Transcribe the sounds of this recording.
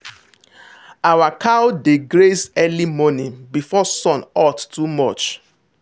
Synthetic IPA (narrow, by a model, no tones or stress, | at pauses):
awakʰawdeɡɹesɛlimɔnĩŋbifɔsɔ̃nɔttːumɔt͡ʃ